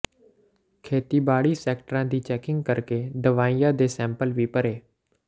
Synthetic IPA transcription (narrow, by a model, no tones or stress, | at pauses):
kʰeːt̪iːbaːɽiːsɛːkʈəɾãːd̪iːt͡ʃɛːkɪ̃ŋɡ̚kəɾkeːd̪əʋaːijãːd̪eːsɛ̃ːmpəlʋiːpəɾeː